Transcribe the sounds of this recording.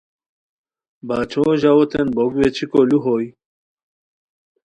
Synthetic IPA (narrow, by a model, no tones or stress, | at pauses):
baːt͡ʃʰoʒawot̪ʰenbobwet͡ʃʰikoluɦoj